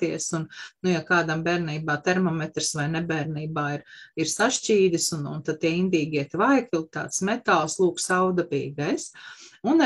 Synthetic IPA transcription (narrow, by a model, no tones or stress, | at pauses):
t̪iɛsunnujakaːd̪ambɛːɾniːbaːt̪ɛɾmɔmɛt̪ɾsʋajnɛbɛːɾniːbaːiɾiɾsaʃt͡ʃiːd̪ʲisunṵnt̪ad̪̚t̪iɛind̪iːɡʲiɛt̪ʋajkilˠt̪a̰ːt̪smɛt̪alˠslˠuːksawd̪abḭːɡajsun